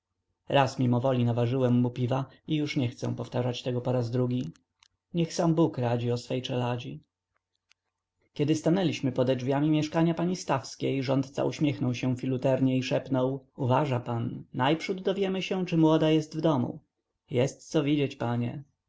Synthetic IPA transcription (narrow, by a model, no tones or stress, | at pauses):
ɾasmʲimɔvɔlʲinavaʐɘwɛmːupʲiva | ijuʂɲɛxt̪sɛ̰̃pɔft̪aʐat͡ɕt̪ɛɡɔpɔɾazd̪ɾuɡʲi | ɲɛxsambukɾad͡ʑiɔsfɛjt͡ʂɛlad͡ʑi | kʲɛd̪ɘst̪anɛlʲiɕmɘpɔd̪ɛd͡ʐvʲjamʲimʲjɛʂkaɲapaɲist̪afskʲejʐɔnt̪t̪sa̰ʔuɕmʲjɛxnɔwɕɛ̃fʲilut̪ɛɾɲɛiʂɛpnɔwuvaʐapanːajpʂud̪ːɔvʲjɛmɘɕɛ̃t͡ʂɘmwɔd̪ajɛst̪vd̪ɔmṵ | jɛst̪sɔvʲid͡ʑet͡ɕpaɲɛ̰